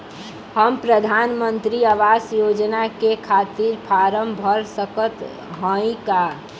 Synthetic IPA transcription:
həmpɾəd̪ʱaːnmənt̪ɾiəʋaːsjoːd͡ʒnakekʰaːt̪iɾpʰaɾəmbʱəɾsəkət̪ | ɦə̃ĩka

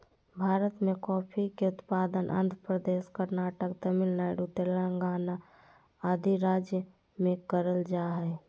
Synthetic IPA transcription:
bʱaːɾət̪mẽkɔːpʰikeʊt̪paːd̪ənʔə̰nd̪ʱɾəpɾəd̪eskəɾnaːʈəkt̪əmilnaɪɖut̪elɾəŋɡaːna | ad̪ʱiɾaːd͡ʒjə | mẽkəɾəld͡ʒaːɦɛ

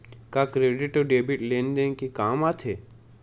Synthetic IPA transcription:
kakɾeːɖɪʈoɖeːbɪʈlẽːnd̪ẽnkikaːmat̪ʰɦeː

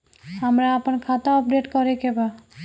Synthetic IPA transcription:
ɦəmɾaəpənkʰat̪aɔp̚ɖeʈkɔɾekeba

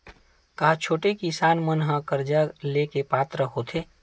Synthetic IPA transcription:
kaːt͡ʃʰoːʈekɪsaːnmənɦãkɐɾd͡ʒaleːkepaːt̪ɾəɦoːt̪ʰeː

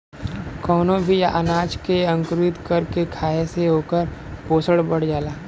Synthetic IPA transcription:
kɔːnõbʱijaʔənaːd͡ʒkeɐ̃ŋkɾɪt̪kɐɾkekʰaːeseɦoːkəɾpoːsəɽbɐɽ̤d͡ʒaːlaː

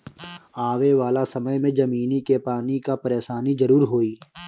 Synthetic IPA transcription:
aːʋeʋaːlasɐməjmẽd͡ʒɐmiːnikepaːnikapɐɾeːʃaːnizɐɾuːɾɦoːiː

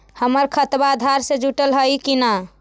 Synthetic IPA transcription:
həməɾkʰət̪baːd̪ʱaɾsẽd͡ʒuʈəlɦəjkina

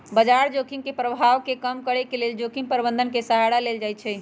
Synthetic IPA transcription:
bəd͡ʒaɾd͡ʒokiŋkepɾəbʱaʋkekəmkəɾekeleld͡ʒokiŋɡpəɾbənd̪ʱənkesəɦaɽaleld͡ʒajt͡ʃʰɛ

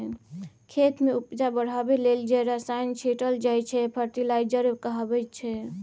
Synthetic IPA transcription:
kʰet̪meupd͡ʒabəɽ̤abeleld͡ʒɛɾəsajnt͡ʃʰeʈəld͡ʒajt͡ʃʰɛpʰəɾʈilajd͡ʒəɾkəɦabɛt͡ʃʰɛ

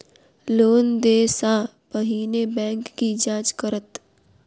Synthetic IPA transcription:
loːnd̪eːsã | bəɦiːnebɛ̃ːŋkːid͡ʒaːd͡ʒkəɾət̪

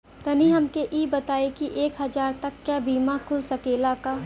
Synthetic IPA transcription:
k̪ɐniɦɐmkeʔiːbɐt̪aːekiʔeːkɦɐzaːɾt̪ɐkːjaːbiːmakʰʊlsɐkeːlaka

